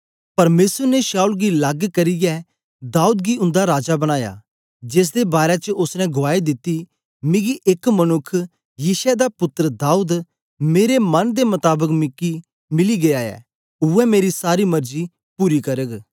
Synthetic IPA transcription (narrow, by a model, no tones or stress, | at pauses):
pɐɾmeːsəɾneʃaːulɡilɐɡkɐɾɪjɛ | d̪aːuːd̪ɡiʊ̃nd̪aɾaːd͡ʒabɐɽ̃aːja̰ | d͡ʒes̬d̪ebaːɾet͡ʃəʊsnɛ̃ɡʊaːid̪ɪt̪ːi | mɪ̃ɡiʔekmɐnʊkʰː | jiːʃɛd̪apʊt̪ːɾəd̪aːuːd̪ | meːɾemɐnd̪emʊt̪aːbəkmɪkːi | mɪliɡeaːjɛ̰ː | ʊɛmeːɾisaːɾimɐɾd͡ʒi | puːɾikɐɾəɡ